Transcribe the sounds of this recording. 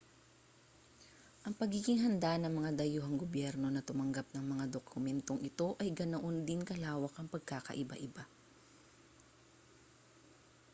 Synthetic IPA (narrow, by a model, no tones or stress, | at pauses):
ʔɐŋpɐɡiɡɪŋɦɐnd̪anɐŋmɐŋad̪ɐjuːɦɐŋɡobjɛɾno̞nɐt̪ʊmɐŋɡap̚nɐŋmɐŋad̪okʰʊmɛnt̪o̞ŋʔɪt̪o̞ʔɐjɡɐnoʔond̪ɪnkɐlaːwɐkʔɐŋpɐɡ̚kaːkɐ̰ʔɪba̰ʔɪba